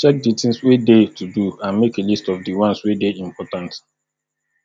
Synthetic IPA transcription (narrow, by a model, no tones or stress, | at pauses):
t͡ʃɛk̚ditɪ̃ŋswedetuduãnmekelistɔfdiwʌ̃nswedeĩmpɔtãnt